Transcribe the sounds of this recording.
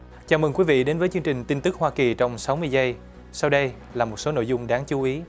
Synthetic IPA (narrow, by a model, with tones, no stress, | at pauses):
t͡ɕaː˨˩mɨ˨˩ŋkwi˨˦vḭ˧˨ɗe˨˦nvəː˨˦jt͡ɕɨ˧əŋt͡ɕï˨˩ŋ̟t̪i˧nt̪ɨ˦˥k̚hwaː˧ki˨˩t͡ɕɔ˧wŋ͡msa˨˦wmɨ˧əjzə˧j | sa˧wɗə˧j | laː˨˩mo˨˩t̚so˨˦no̰˧˨jzʊ˧ŋ͡mɗaː˨˦ŋt͡ɕu˨˦ʔi˨˦